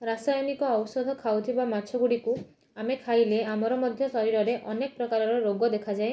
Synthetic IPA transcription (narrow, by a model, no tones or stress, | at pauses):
ɾasajnikɔːwɔsɔd̪ʱɔkʰawt̪ʰibamat͡ʃʰɔɡuɽiku | amekʰajleamɔɾɔmɔd̪ʱjɔsɔɾiɾɔɾeʔɔnekɔpɾɔkaɾɔɾɔɾoɡɔd̪ekʰad͡ʒae